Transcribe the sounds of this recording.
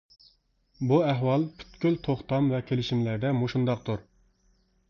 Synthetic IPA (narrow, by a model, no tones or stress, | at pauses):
buæɦwɑlˠpʰy̥t̪kʲylt̪ʰoχt̪ɑmvɛkʲʰelɪʃimlæɾd̪ɛmoʃund̪ɑq̚t̪uɾ